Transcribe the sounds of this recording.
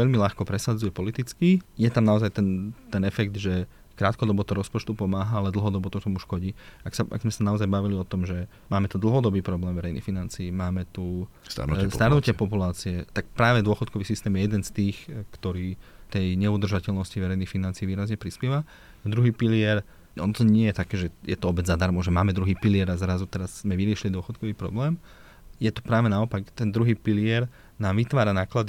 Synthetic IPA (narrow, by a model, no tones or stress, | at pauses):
ʋɛʎmiʎaxkɔpɾɛsad͡zujɛpɔlit̪it͡skijɛt̪amnaɔzajt̪ɛnt̪ɛnɛfɛɡd̪ʒɛ | kɾaːt̪kɔd̪ɔbɔt̪ɔɾɔspɔt͡ʃt̪upɔmaːɦaalɛd̪l̩ɦɔd̪ɔbɔt̪ɔt̪ɔmuʃkɔɟiːaksaa̰ɡzmɛsanaɔzajbaʋiliɔt̪ɔmʒɛ | maːmɛt̪ud̪l̩ɦɔd̪ɔbiːpɾɔblɛːmʋɛɾɛjnḭxfinant͡siːmaːmɛt̪u | st̪a̰ɾnṵstaɾnucɪɛpɔpulaːt͡siɛt̪ak̚pɾaːʋɛd̪ʊɔxɔt̪kɔʋiːsist̪ɛːmjɛjɛd̪ɛnst̪iːxkt̪ɔɾiːt̪ɛjɲɛud̪r̩ʒacɛlnɔsciʋɛɾɛjnixfinant͡siːʋiːɾazɲɛpɾispjɛʋa | d̪ɾuɦiːpilɪɛɾ | ʔɔ̰nt̪ɔɲɪɛjɛt̪akɛːʒɛjɛt̪ɔɔbɛzad̪aɾmɔʒɛmaːmɛd̪ɾuɦiːpilɪɛɾazɾazut̪ɛɾazzmɛʋiɾɪɛʃilid̪ʊɔxɔt̪kɔʋiːpɾɔ̰blɛːm | jɛt̪u̥pɾaːʋɛnaɔpakt̪ɛnd̪ɾuɦiːpilɪɛɾ | naːmʋit̪ʋaːɾanaːklad̪i